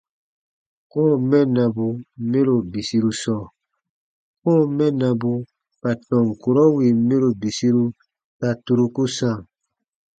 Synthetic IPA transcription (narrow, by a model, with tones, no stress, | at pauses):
kɔː˦mɛ̃˦nã˨bu˨me˦ɾo˨bi˨si˦ɾu˦sɔː˦˨ | kɔː˦˨mɛ̃˦nã˨bu˧ | ka˨tɔ̃˨ŋ˨ku˨ɾɔ˦wi˨me˦ɾo˨bi˨si˦ɾu˦ | ta˨tu˨ɾu˧ku˦sã˦˨